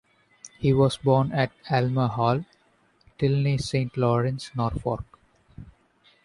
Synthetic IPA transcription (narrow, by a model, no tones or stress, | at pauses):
hiːʋɔːzbɔːnæʈælməɦɔːl | ʈɪlnisẽːɳʈlɔːɾə̃nsnɔːɾfɔ̰ːɾk